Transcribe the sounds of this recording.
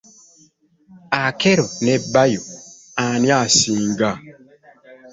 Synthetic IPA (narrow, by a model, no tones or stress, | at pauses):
akɛɾonɛbajo | anjasiŋɡa